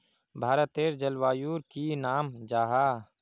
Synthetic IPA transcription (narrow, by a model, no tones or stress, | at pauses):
bʱaːɾət̪eːɾd͡ʒəlwaːjuːɾkinaːmd͡ʒaːɦaː